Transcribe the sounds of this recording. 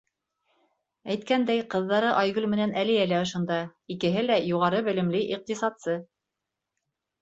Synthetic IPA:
æjt̪̚kænd̪æjqɤ̆ðːɑɾɤʔɑjɣʉlmɘ̆nænælɘ̆jælæŏʃŏnd̪ɑikɘ̆ɦɘlæjuʁɑɾɤbɘ̆lɘ̆mlɘʔiq̚t̪isɑt̪sɤ

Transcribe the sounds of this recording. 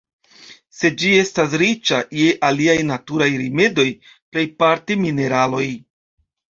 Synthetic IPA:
se̞d͡ʒie̞stas̬ɾit͡ʃaje̞ʔaliajnatuɾajɾime̞do̞j | ple̞jpaɾtimine̞ɾalo̞j

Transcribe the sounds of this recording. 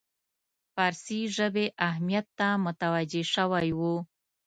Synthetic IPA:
fɑɾsiʒəbeʔaɦmijat̪ːamʊt̪awad͡ʒeʃəwajwu

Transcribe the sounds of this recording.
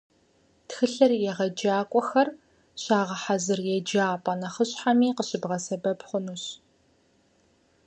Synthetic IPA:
txɨɬɐrjɛʁɐd͡ʒaːkʷʼɔxɐr | ɕaːʁɐħazɨrjɛd͡ʒaːpʼɐnɐχəɕħamiːqəɕɪbʁɐsɐbɐbχʷʊnuːɕ

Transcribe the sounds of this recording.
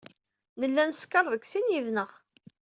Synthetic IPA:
nəlːænskəɾˤðəksinjiðnəʁ

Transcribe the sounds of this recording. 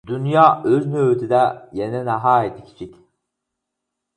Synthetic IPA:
d̪ynjaːøznøːt̪ʰid̪ɛjeninaɦaːet̪ʰicʰi̥t͡ʃʰic

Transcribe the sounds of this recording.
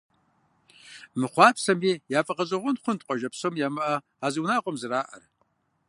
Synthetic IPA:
mɨχʷɑːpʰsɐmiːjaːfʼɐqʼɐzʼɐʁʷʊnχʷʊnt̚qʷʼɔʒɐpsomjaːmɐʔɐ | aːzɨwnaːqʷʼɔmzɨraːʔɐ̰r

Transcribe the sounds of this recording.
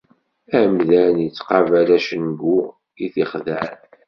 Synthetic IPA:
æmðænjət͡sːqɑvæɾæʃənɡu | iθiχðæn

